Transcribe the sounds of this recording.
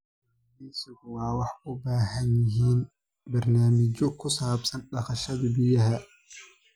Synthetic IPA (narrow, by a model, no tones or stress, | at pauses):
miːsɪɣwɑːwɑħʊbaːɦɐnjɪɦiːn | bɐrnaːmɪt͡ʃɔkʰʊsaːbsɐnɖɐχɐʃɐðɐbɪjɐɦɐ